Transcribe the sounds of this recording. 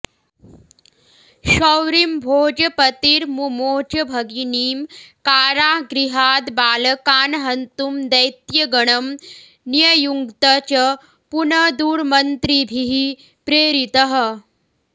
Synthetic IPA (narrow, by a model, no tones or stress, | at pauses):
ɕɐwɾimbʱoːd͡ʒɐpɐt̪iːɾmumoːt͡ɕɐbʱɐɡiniːmkaːɾaːɦɡɾiɦaːd̪baːlɐkaːnɦɐnt̪umd̪ɐjt̪jɐɡɐɳɐm | nijɐjuŋɡt̪ɐt͡ɕɐ | punɐd̪uːɾmɐnt̪ɾibʱiɦi | pɾeːɾit̪ɐɦ